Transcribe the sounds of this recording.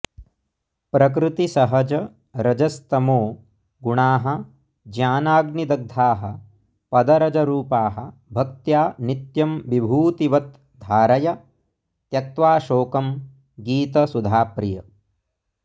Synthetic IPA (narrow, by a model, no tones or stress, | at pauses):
pɾɐk̬ɾɪt̪isɐɦɐd͡ʒɐ | ɾɐd͡ʒɐst̪ɐmoː | ɡuɳaːɦɐ̆ | d͡ʒjaːnaːɡnid̪ɐɡ̚d̪ʱaːɦɐ̆ | pɐd̪ɐɾɐd͡ʒɐɾuːpaːɦɐ̰̆bʱɐk̚t̪jaːnit̪jɐmʋibʱuːt̪iʋɐt̪ | d̪ʱaːɾɐjɐ | t̪jɐk̚t̪ʋaːʃoːkɐm | ɡiːt̪ɐsud̪ʱaːpɾijɐ